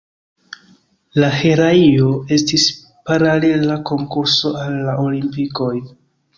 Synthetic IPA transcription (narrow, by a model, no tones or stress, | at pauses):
laheɾaio̞e̞stis | paɾale̞lako̞ŋkuɾso̞alːaʔo̞limpiko̞j